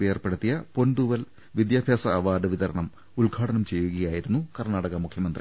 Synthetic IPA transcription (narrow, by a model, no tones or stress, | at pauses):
eːrpe̞ɽut̪ːijɐpo̞nd̪uʋɐl | ʋid̪jaːbʱjaːsɐːʋaːɖɨʋit̪ɐɾɐ̰ɳɐm | uɭɡʱaːɽɐnɐmt͡ɕe̞jːuɣɐjaːjiɾunːukɐrnaːɽɐɣɐmukʰjɐmɐnd̪ri